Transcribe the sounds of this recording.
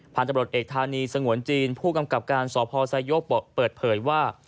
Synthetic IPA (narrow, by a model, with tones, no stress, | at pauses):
pʰaː˨˩nt̪a˧mɾu˨˩ə˩t̪ʔeː˨˩k̚t̪ʰaː˧niː˧sa˧ŋu˨˩˦ənt͡ɕiː˧npʰuː˥˩ka˧mka˨˩p̚kaː˧nsɔː˩˦pʰɔː˧sa˧jo˦˥o˨˩pɤː˨˩t̪̚pʰɤː˩˦jwaː˥˩